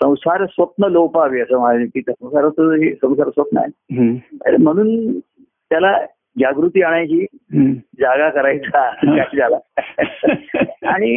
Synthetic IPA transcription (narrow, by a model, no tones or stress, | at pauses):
sə̃w̃saɾsʋət̪̚nəlowpaʋiːəsəːmaad͡ʑit̪it̪ʰasə̃w̃saɾət̪əɦesə̃w̃saɾsʋət̪nəa̰jeɦə̰ɾḛm̤əɽ̃uːn | t̪jala | d͡ʑjaɡɾut̪iːaɳ̃at͡ɕiː | d͡ʑaɡakəɾajt͡sakaid͡zala | aɽ̃i